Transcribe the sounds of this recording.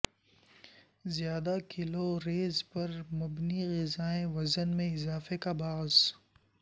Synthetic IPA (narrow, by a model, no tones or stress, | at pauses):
zjaːd̪akɪloɾeːzpɐɾmʊbniɣɪzaːẽʋɐzənmẽɪzaːfekabaːz